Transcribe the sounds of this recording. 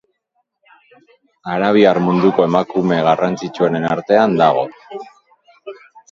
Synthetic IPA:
aɾaβ̞iarmund̪uko̞e̞makume̞ɣarant͡sit͡ʃueɾe̞naɾt̪e̞and̪aɣ̞o̞̰

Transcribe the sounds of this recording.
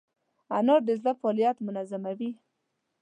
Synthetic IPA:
anoɾd̪əzlafɑlijat̪mʊnazamawi

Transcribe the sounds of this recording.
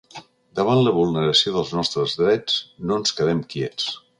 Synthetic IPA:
d̪əβ̞anləβulˠnəɾəsioðəlˠznɔst̪ɾəzðɾɛt͡snoənskəðɛmkjɛt͡s

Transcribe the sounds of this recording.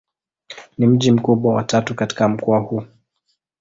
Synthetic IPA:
nim̩ʄim̩kuɓwawa̰tatukati̥kam̩kɔahuː

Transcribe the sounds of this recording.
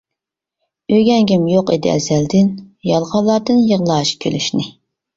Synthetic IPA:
øɡʲɛŋɡʲimjoqḭd̪ɪ̰ɛ̰zæld̪ɪnjɑlˠʁɑlˠːɑɾd̪ɨnjəʁlˠɑːʃkʲʰølyʃnɪ

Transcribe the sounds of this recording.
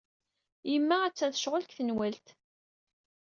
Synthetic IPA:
jəmːææt͡sːæθə̥ʃʁəlkθənwælt̪

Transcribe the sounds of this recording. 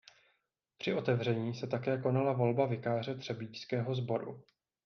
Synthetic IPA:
pr̥ɪʔo̞t̪ɛvr̝ɛɲiːsɛt̪akɛːko̞nalavo̞lbavɪkaːr̝ɛt̪r̥ɛbiːt͡ʃskɛːɦo̞zbo̞ɾṵ

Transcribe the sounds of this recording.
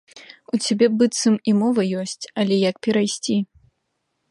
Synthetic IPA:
ut͡sʲabʲɛbɨt̪sɨmimɔvɐjɔsʲt͡sʲɐlʲɛjɐkpʲɛɾajsʲt͡sʲi

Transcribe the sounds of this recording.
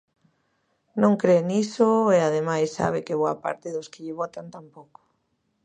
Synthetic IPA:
nõŋkɾenisoeaðemajsːa̰β̞ɪkɪβoapa̰ɾt̪ɪðoskɪʎɪβɔt̪ant̪ampoko̥

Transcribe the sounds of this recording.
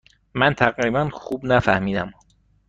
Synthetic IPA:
mænt̪ʰæɣɾiːbænxubnæfæhmiːd̪æm

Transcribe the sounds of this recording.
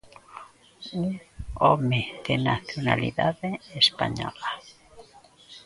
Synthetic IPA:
uŋɔmeðenaθjona̰lḭðaðeespaɲɔla

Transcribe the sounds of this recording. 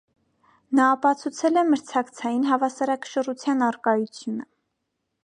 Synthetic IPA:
nɑːpɑt͡sʰut͡sʰɛlɛməɾt͡sʰɑkt͡sʰɑjinɦɑvɑsɑɾɑkə̥ʃərut͡sʰjɑnɑrkɑjut͡sʰjunə

